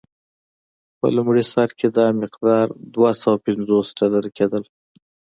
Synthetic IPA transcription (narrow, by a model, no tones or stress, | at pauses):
pə̰lʊmɽisɑɾked̪ɑmɪqd̪ɑɾd̪wasawapɪnzosɖɑlaɾaked̪əl